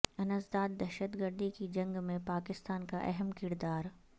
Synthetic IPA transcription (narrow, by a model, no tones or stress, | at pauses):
ɐnəzd̪aːd̪̚ːɛɾʃət̪ɡəɾd̪ikid͡ʒɐ̃ŋɡmẽpaːkɪst̪aːnkaʔɛɦɛmkɪɾd̪aːɾ